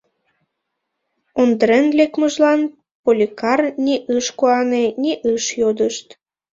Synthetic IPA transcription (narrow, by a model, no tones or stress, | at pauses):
ond̪əɾenlekməʒlɑn | polʲikɑrnʲiʔɯʃkuɑneniʔɯʃjod̪əʃt̪